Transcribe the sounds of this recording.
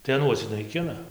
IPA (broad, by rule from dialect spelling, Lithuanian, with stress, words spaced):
tɐɪ ɐˈnuɔs nɐɪˈkʲɪnɐ